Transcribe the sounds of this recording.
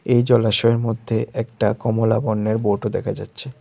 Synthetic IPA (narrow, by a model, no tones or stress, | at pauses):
ejd͡ʑɔlaʃɔeɾmod̪ʱːeʔɛk̚ʈakɔmola̰bɔnːeɾboʈod̪ɛkʰad͡ʑatːɕʰe